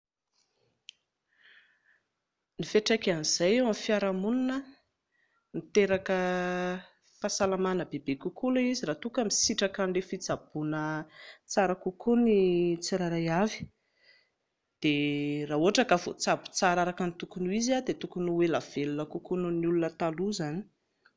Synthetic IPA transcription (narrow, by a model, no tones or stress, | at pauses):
nifeʈ͡ʂakaniz̥ajewamfiaɾamuninə | nit̪eɾakə | fasalamanəbebekukulaiziɾat̪ukəmisiʈ͡ʂakanɖ͡ʐefit͡sab̥unət͡saɾakukʰunit͡siɾaɾajavi̥ | d̪̥eraːuɦaʈ͡ʂakavo̰t͡sabu̥t͡saɾaɾakənit̪ukunuiziad̪et̪ukunuwelav̥elunəkukununiulunət̪aluzani̥